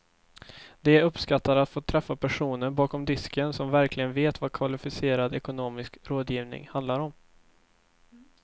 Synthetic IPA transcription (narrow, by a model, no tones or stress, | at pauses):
d̪ɛɵpskat̪ːaɾat̪foːt̪ʰɾɛfːapʰæʂuːnəɾbɑːkɔmd̪ɪskənsɔmvæɾklɪɡənveːt̪vakʰvalɪfɪseːɾad̪ɛkʊnoːmɪskɾoːd̪jiːvnɪ̰ŋhand̪laɾɔm